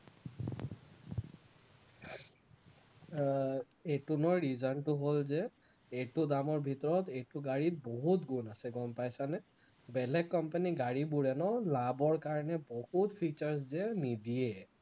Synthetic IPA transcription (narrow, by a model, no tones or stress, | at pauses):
etunɔjɹizantʊɦolzɛ | etʊdamɔɹbʱitɔɹɔtetʊɡaɹit̚boɦutɡunasɛɡɔmpajsanɛ | bɛlɛkːɔmpaniɡaɹibuɹɛnɔlabɔɹkaɹɔnɛbohutpʰit͡ʃaɹs̬zɛnidijɛ